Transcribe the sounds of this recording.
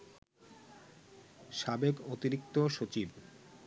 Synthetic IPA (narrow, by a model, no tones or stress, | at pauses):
ʃabekot̪iɾik̚t̪oʃot͡ɕib